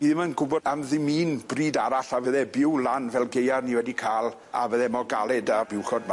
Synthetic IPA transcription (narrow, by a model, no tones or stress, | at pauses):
b̥iːðmanɡʊbɔanðɪmiːnbriːdaɾaɬavəðɛbɪwlˠanvɛlˠɡejarniwɛdikʰaːlˠ | a̰vəðɛmɔɡalˠɛdabɪwχɔd̚ma